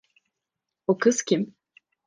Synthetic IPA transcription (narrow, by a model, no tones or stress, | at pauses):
okɯscʲʰim